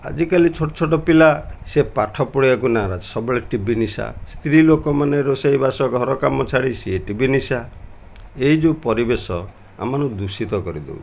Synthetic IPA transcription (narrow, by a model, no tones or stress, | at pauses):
a̰d͡ʒikalit͡ʃʰoʈɔt͡ʃʰoʈ̬ɔpilasepaʈʰɔpɔɽiakunaɾad͡ʒi̥sɔbɔɭeʈibinisa̰st̪ɾilokɔmaneɾosejbasɔɡʱɔɾɔkamɔt͡ʃʰaɽisieʈibinisa | eid͡ʒupɔɾibesɔ | a̰manud̪usit̪ɔkɔɾid̪ḛu